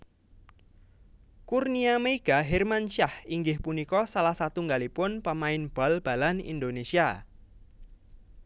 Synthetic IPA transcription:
kurniameiɡ̥aɦermanʃahiŋɡɪhpunikɔsalahsat̪uŋɡalipʊnpəmaɪnb̥a̤lb̥a̤lanḭnd̪onesia

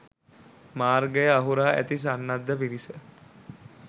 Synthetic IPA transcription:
maːrɡəjəaɦuɾaːʔæ̰t̪is̬anːad̪ːəpiɾisə

